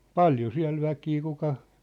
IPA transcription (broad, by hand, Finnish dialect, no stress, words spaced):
pɑljo siæ̝l ʋækiː kukɑ